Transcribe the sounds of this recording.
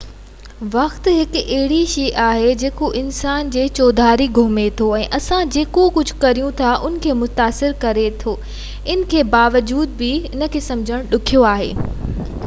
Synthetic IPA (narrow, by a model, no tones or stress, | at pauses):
ʋɐxt̪ɦɪkɐɦɪɽiʃiːʔaːɦed͡ʑeːkoʔɪnsaːnd͡ʑeːt͡ɕoːd̪ʱaːɾiɡʱʊɦmet̪ʰoɛ̃ːʔɐsãd͡ʑeːkokʊd͡ʑʱʊ̆kɐɾijũt̪ʰaʔʊnɪ̆kʰeːmʊt̪aːsɪɾkɐɾet̪ʰoː | ɪnɪ̆kʰeːbaːʋəd͡ʑuːd̪̚bɪɪnə̆kʰeːsɐ̃md͡ʑʱəɽ̃ɗʊkʰijoaːɦḛː